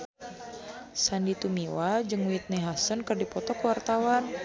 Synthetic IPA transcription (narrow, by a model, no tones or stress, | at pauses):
sandit̪umiwad͡ʒɨŋwit̪̚nɛɦasənkɨrdipɔt̪ɔkwart̪awan